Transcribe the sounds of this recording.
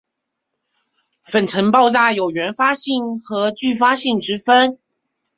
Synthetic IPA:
fə˨˩nʈ͡ʂʰə˧˥ŋpɑ˥˧ʊt͡sa˥˩jo˨˩ʊɥɛ˧˥nfa˥ɕi˥˩ŋxɤ˧˥t͡ɕy˥˧fa˥ɕi˥˩ŋʈ͡ʂɻ̩˥fə˥n

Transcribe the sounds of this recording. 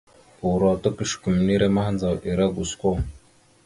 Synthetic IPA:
u˨ɾa˨ta˦kə˦ʃku˨m˨ni˦ɾa˦ma˦hnd͡za˨wʔi˨ɾa˦ɡu˨skʷo˦

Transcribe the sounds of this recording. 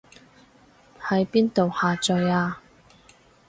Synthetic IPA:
hɐ˨˥jpiː˥nt̪o˨whaː˨t͡sœ˨˧jaː˧

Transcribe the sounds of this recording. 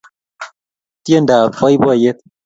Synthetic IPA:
tje˦˨nda˨fɔ˦jbɔ˦˨je˦t̪̚

